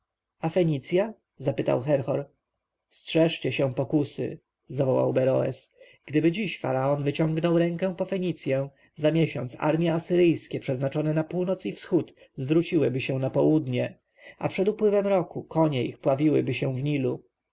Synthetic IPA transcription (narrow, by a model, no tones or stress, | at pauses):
afɛɲit̪sʲja | zapɘt̪a̰wxɛɾxɔɾ | stʂɛʂt͡ɕɛɕɛ̃pɔkusɘ̰ | zavɔwa̰wbɛɾɔ̰ɛ̰s | ɡ̥d̪ɘbɘd͡ʑiɕfa̰ɾaɔnvɘt͡ɕɔ̃ŋɡnɔwɾɛ̃ŋkɛ̃pɔfɛɲit̪sʲjɛ̃ | zamʲjɛɕɔnt̪sa̰ɾmʲjɛasɘɾɘjskʲɛpʂɛznat͡ʂɔnɛnapuwnɔt̪sifsxut̪ | zvɾut͡ɕiwɘbɘɕɛ̃w̃napɔwud̪ɲɛ | a̰pʂɛd̪upwɘvɛmɾɔkukʰɔɲɛixpwavʲiwɘ̰bɘɕɛ̃vɲilu